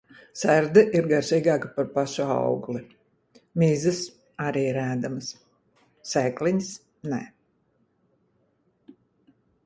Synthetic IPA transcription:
sæɾd̪ɛʔiɾɡaɾsiːɡaːkapaɾpaʃua̰wɡli | mizɨs | aɾiːɾæːd̪amɨs | sɛːkliɲs | nɛ̰

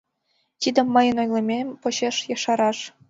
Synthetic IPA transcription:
t̪ʲid̪ʲĕmːɤjɤ̆nojlʲˠĕmʲepɤ̆ɕeʃjɑʃɑɾɑʂ

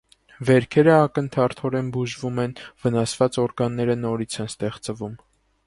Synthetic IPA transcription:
vɛɾkʰɛɾəɑkənt̪ʰɑɾt̪ʰɔɾɛnbuʒvumɛnvənɑsvɑt͡sɔɾɡɑnːɛɾənɔɾit͡sʰɛnst̪ɛχt͡səvum

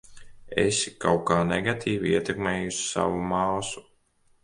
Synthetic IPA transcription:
ḛsikawkaːneɡat̪ʰiːviiɛt̪ɛkmeːjusi̥sa̰vumaːlsu̥

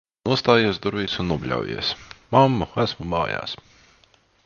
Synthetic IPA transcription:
nuɔst̪aːjiɛsd̪uɾvʲiːsunnuɔbʲlʲa̰wjḭɛsmamːuæsmumɑːja̰ːs

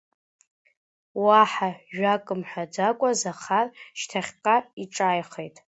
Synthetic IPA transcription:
waħaʒᶣakʼɨmħʷᶣad͡zakʷʼazaχarʃtʰaχʲqaiʈ͡ʂʼajχejtʼ

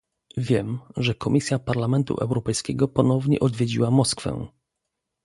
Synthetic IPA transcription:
vʲjɛmʐɛkɔmʲisʲjapaɾlamɛnt̪ṵʔɛ̰wɾɔpɛjskʲɛɡɔpɔnɔvɲɛ̰ʔɔd̪vʲjed͡ʑḭwamɔskfɛ̰

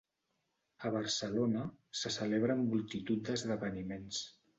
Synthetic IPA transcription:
əβəɾsəlonəsəsəleβɾəːmːulˠt̪it̪ut̪̚d̪əzðəβənimens

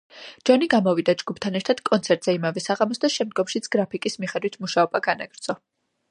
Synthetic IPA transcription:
d͡ʒɔniɡamɔvid̪ad͡ʒɡupʰt̪ʰanɛɾt̪ʰad̪̥kʼɔnt̪sʰɛɾt̪ʼz̥ɛimavɛsaʁamɔsd̪aʃɛmd̪̚ɡɔmʃit̪sʰɡ̥ɾapʰikʼismiχɛd̪wit̪ʰmuʃaɔbaɡanaɡɾd̪z̥ʼɔ

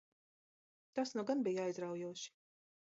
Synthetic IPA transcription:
t̪asnuɡanbijajzɾawjuɔʃi̥

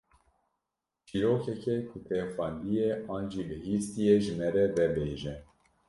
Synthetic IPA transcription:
t͡ʃʰiːɾoːkɛkɛkʰʊt̪ʰɛfɑnd̪ijeɑːnd͡ʒiːbɨɦiːst̪ijeʒɨmɛɾɛvɛbeːʒɛ

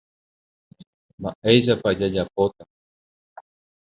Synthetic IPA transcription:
mbaʔejʃ̬apad͡ʒad͡ʒapot̪a

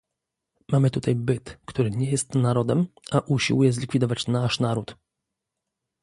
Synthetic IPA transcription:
mamɘt̪ut̪ajbɘt̪kt̪uɾɘɲɛjɛst̪naɾɔd̪ɛmʔaʔuɕḭwujɛzlʲikfʲid̪ɔvat͡ɕnaʂnaɾut̪

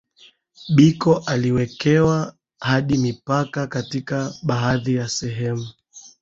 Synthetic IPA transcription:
ɓikɔʔaliwɛkɛwa | haɗimipakakatikaɓaɦaðijasɛɦɛmu

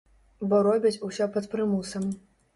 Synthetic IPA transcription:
bɔɾɔbʲit͡sʲusʲɔpɐt̪pɾɨmusɐm

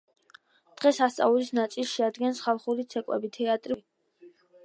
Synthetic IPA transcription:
d̪̥ʁɛsast̪sʼa̰ulisnat̪sʼilˠsʃɛad̪ɡɛnsχalˠχuɾit̪sʰɛkʼwɛ̰bit̪ʰɛat̪ʼɾi

